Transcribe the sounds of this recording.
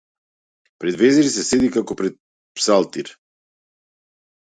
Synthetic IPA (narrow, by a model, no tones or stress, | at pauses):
pɾɛd̪vɛzɛɾisɛsɛd̪ikakɔpɾɛt̪̚ | psalˠt̪iɾ